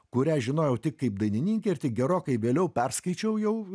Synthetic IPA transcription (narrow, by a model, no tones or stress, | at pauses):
kʊɾʲæːʒʲɪnoːjɛʊt̪ʲɪkkɐɪp̚d̪ɐɪnʲɪnʲiːŋʲkʲeːɪrt̪ʲɪk̚ɡʲɛɾoːkɐɪʋʲeːlʲɛʊpʲɛrskɐɪt͡ʃʲɛʊjɛʊ